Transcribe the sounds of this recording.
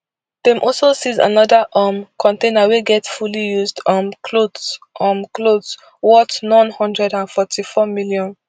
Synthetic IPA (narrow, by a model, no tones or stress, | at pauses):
d̥ẽmʔɔlsosiza̰nɔdaʔɔmkʰɔ̃ntẽnaweɡɛtfulijuzdɔ̃mkʰlodʔɔ̃mklod | wɔtnɔ̃nhɔ̃ndɹɛdãnfɔtʰifɔmiljɔ̃n